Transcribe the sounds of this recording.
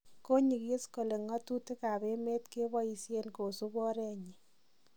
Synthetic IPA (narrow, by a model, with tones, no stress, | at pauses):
ko˦ɲi˨kje˦sko˨le˨ŋɔ˦tu˦te˦ka˨be˦me˦tke˦bɔ˦i˨sje˦nko˨su˦bɔ˦ɾɛ˦ɲi˨